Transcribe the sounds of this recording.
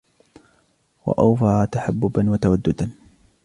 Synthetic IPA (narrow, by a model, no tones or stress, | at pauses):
wa̰ʔawfaːt̪aħabːʊbanwat̪awad̪ːʊd̪an